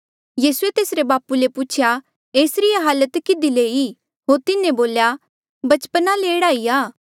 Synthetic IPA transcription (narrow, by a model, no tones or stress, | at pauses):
jiːsuet̪eːsɾebaːpuleput͡ʃʰja | eːsɾijaɦaːlət̪kɪd̪ileːi | ɦoːɾt̪ɪnẽboːlja | bɐt͡ʃpənaleɽaːiaː